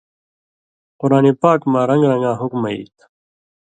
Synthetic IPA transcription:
quɾaːnepaːkmãːɾɐ̃ŋɡɾɐ̃ŋɡãːɦukmɐḭːt̪

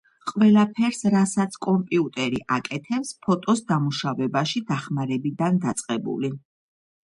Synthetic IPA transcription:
qʼwɛlapʰɛɾsɾasat̪sʰkʼɔmpʼiut̪ʼɛɾiʔakʼɛt̪ʰɛpspʰɔt̪ʼɔsd̪amuʃavɛbaʃid̪aχmaɾɛbid̪and̪at̪sʼqʼɛbṵli

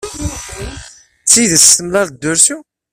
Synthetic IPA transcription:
t͡sːiðəsəmlæðd̪ːʊɾsu

